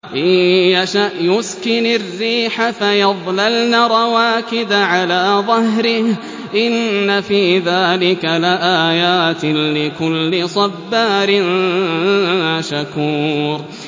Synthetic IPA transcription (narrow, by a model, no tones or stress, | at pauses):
ʔaaʃaʔjʊskɪnarːiːħafajɑðˤlalnaɾˤɑwaːkɪd̪aʕalaːðˤɑhɾɪh | ʔɪnːafiːðaːlɪkalɪʔaːjaːt̪ɪlɪkʊlːɪsˤɑbːaːɾɪn | aʃakuːɾ